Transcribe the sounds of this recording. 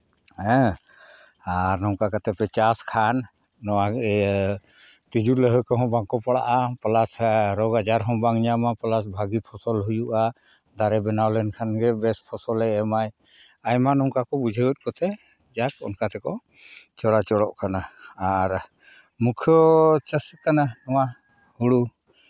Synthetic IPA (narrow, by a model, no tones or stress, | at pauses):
ɛ̃ | aɾnɔŋkakat̪ɛpɛt͡ʃaskʰanː | ɔwaɡɛ | t̪id͡ʒuləɦəkɔɦɔ̃baŋkɔpaɽa̰ʔapɔlasɾɔɡad͡ʒaɾɦɔ̃baŋɲamapɔlas̬bʱaɡipʰɔsɔlɦujuʔa | d̪aɾɛbɛnawlɛnkʰanɡɛbɛspʰɔsɔlɛɛmaj | ajmanɔŋkakɔbud͡ʒʱəət̪̚ˀkɔt̪ɛ | d͡ʒakɔ̰nkat̪ɛkɔ | t͡ʃɔɽat͡ʃɔɽɔʔkanaaɾ | mukʰjɔt͡ʃəskananɔwa | huɽu